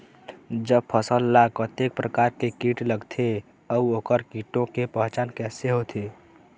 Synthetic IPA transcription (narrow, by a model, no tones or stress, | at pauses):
d͡ʒəb̚pʰəsəlːakɔt̪ek̚pɾəkaːɾkekiːʈləɡt̪ʰe | əuoːkəɾkiːʈõkepə̃ɦt͡ʃaːnkɛːseɦot̪ʰe